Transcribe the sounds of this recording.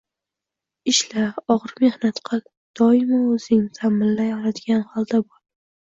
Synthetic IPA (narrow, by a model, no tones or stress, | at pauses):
ɪʃlaɒʁɾme̞hnat̪qʰɑ | d̪̥ɒɪmaɵz̥ɪŋt̪ʰamɪnlajɒɾad̪ɪɡʲanhɒlˠd̪abɒɾ